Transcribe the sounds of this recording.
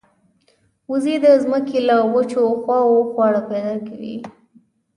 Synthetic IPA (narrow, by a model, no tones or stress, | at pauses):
uzed̪əzməkelawət͡ʃoxwɑoxwɑɽapɛd̪ɑkawḭ